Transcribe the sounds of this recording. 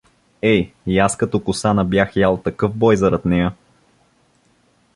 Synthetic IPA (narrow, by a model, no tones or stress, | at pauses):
ɛjaskɐt̪ɔkʊsanɐbjaxjalˠt̪ɐkɤfbɔjzɐɾɐt̪nɛjə